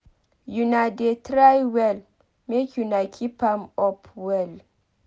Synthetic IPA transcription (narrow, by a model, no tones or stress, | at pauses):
junadetɾajwɛl | mekʲunakʰipamɔpʰwɛl